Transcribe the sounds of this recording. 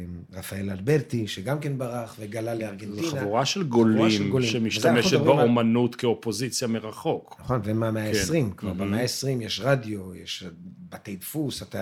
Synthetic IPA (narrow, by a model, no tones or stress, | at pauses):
ʁafae̞lalbeʁt̪iʃeɡamkenbaʁaχveɡalaleaʁɡentianavuʁaʃelɡolaiemɡoliʃmemiʃzameuʃet̪bʁbaaomanutkeopozit͡sjameʁaχo̞knaχo̞nvemeameaesʁimkva̰ʁbemeaesʁimjeʃʁadjo̞jeʃbatejdfusat̪a